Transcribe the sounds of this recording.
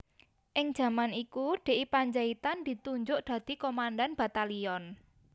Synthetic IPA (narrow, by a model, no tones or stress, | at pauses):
ʔɪŋd̥ʒ̥a̤manikuɖ̪̥e̤ʔipaɲd͡ʒait̪and̪̥i̤t̪uɲd͡ʒʊʔd̪̥ä̤d̪̥i̤komandanb̥ä̤t̪aliɔn